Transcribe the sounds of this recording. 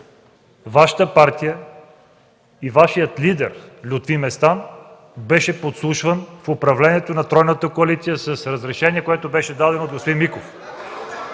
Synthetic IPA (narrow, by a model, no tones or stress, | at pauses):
vaʃə̥t̪əpaɾt̪ijə | ivaʃijət̪lid̪ɛɾlʲut̪vimɛst̪an | bɛʃɛpot̪slˠuʃvənfopɾɐvlɛniɛt̪onɐt̪ɾɔjnət̪əkoɐlit̪sijəsəsɾəzɾɛʃɛniɛkoɛt̪obɛʃɛd̪ad̪ɛnot̪ɡospod̪inmikof